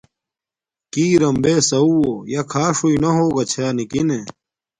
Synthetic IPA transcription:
kiːɾɐmbeːsɐuojɐkʰaːʂuinɐɦoːɡɐt͡ɕʰaːnikine

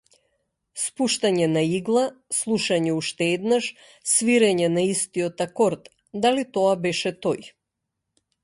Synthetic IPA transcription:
spuʃt̪aɲɛnaiɡlˠaslˠuʃaɲɛuʃt̪ɛɛd̪naʃ | sviɾɛɲɛnaist̪iɔt̪akɔɾt̪ | d̪alit̪ɔabɛʃɛt̪ɔj

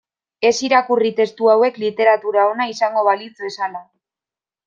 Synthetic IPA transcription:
e̞siɾakurit̪e̞st̪uawe̞klit̪e̞ɾat̪uɾao̞naisaŋɡo̞βalit͡sβe̞sala

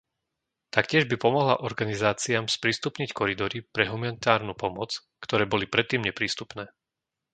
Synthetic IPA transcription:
t̪akcɪɛʒbipɔmɔɦla̰ʔɔɾɡanizaːt͡siaːmspɾiːst̪upɲickʰɔɾid̪ɔɾipɾɛɦumanit̪aːɾnupɔmɔt͡s | kt̪ɔɾɛːbɔlipɾɛt̪ːiːmɲɛpɾiːst̪upnɛː

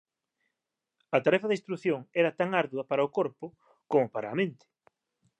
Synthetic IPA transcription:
ɐt̪aɾɛfaðist̪ɾuθjoŋɛɾɐt̪aŋaɾðuðɐpaɾɐʊkoɾpʊ | komʊpaɾaːmẽnt̪ɪ̥

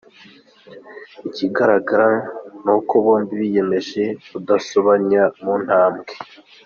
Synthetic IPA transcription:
iciɡaɾaɡaɾanukoβoːnbiβije̞me̞ʒe̞βudasoβaɲamun̥haːmɡe

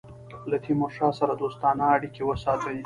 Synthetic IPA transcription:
lat̪ʰimʊɾʂɑsaɾad̪ost̪ɑnaːɽikewəsɑt̪əji

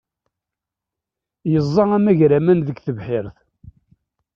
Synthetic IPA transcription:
jəzˤːɑæmæʝɾæmænðəɡθəvħɪɾθ

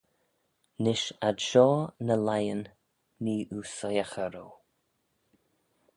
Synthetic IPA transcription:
nɪʃadʃɔːnəlajənː | iːʔusɔjaxəɾoː

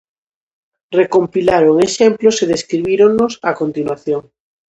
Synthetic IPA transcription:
rekompilaɾoŋeʃemploseðeskɾiβiɾoŋnosakont̪inwaθjoŋ

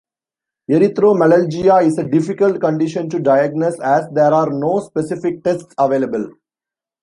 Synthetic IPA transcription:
eɾit̪ɾoːmɛləɾd͡ʒijaɪseɖɪfikəlʈkə̃ɳɖɪʃə̃nʈuɖaɪɛɡ̚noːsæsd̪eɾaːɾnoːspesɪfɪk̚ʈesʈsɐʋeːlebəl

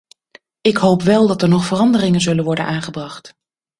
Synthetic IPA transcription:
ɪkɦowpʋɛlˠdɑtəɹnɔχfərɑndərɪŋənzɵlənʋɔɹdə̰nʔaːnχəbrɑχt

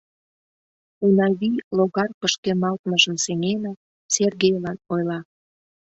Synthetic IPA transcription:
unɑβiloɣɑrpəʃkemɑlt̪məʒə̆mseŋenɑ | serɣejlɑnojlɑ

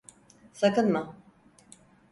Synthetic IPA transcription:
sakɯnma

